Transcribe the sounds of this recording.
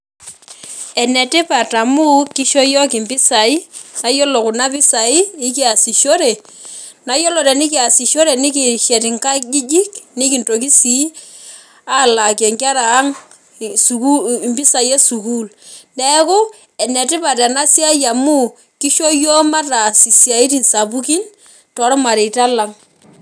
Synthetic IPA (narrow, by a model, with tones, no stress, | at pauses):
ɛ˨nɛ˨ti˦pa˨ta˨mu˦ki˦ʃɔ˦jɔ˦ki˨mbi˦sa˨i˦na˨jo˦lo˨ku˨na˦pi˦sa˨iː˦ki˦a˨si˨ʃo˦ɾe˨ | na˦jo˦lɔ˨ɾɛ˨ni˦k̬i˦a˨si˨ʃɔ˦ɾe˨ni˦k̬i˨ʃɛ˨ɾi˨ŋka˦d͡ʒi˦d͡ʒi˦knɪ˦ki˨nto˨k̬i˦si˨˦ | a˦˨la˨ke˨ŋka˦ɾaː˨˦ŋ | su˨ku˦˨mbi˦sa˨i˦e˦su˨ku˦lnɛ˦kʊ˦ | ɛ˨nɛ˨tɪ˦pa˨tɛ˨na˦si˦a˦ja˨mu˦ | ki˦ʃo˦jo˦ma˦ta˨si˨sja˨i˦ti˨nsa˨bu˦ki˦n | tɔ˨˦ɾɔ˦ma˨ɾe˨ta˦la˨ŋ